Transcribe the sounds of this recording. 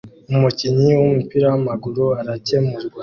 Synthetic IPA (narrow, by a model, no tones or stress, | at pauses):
umuciɲiwumupiɾawamaɡuɾuaɾace̞muɾɡwa